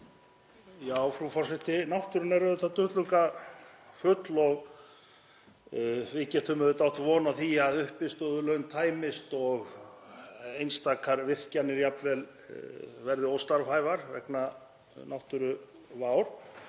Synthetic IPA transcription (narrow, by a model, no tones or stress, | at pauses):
jaːwfɾufɔɾ̥sɪht̪ɪnawht̪ʏɾʏnɛɾaðʏθat̪ʏht̪lʏŋka | fʏt̪lɔɣ | vɪcɛt̪ʰʏmʏðʏt̪awht̪vɔːnaθiaðʏhpɪst̪ɔðʏlœɥnt̪ʰaːjmɪst̪ɔɣ | ejnst̪aːkʰaɾvɪr̥canːɪɾjapnvɛl | vɛɾðɪowst̪laɾfaːjvaɾvɛ̰kna | nawht̪ʏɾʏ | vaːwɾ̥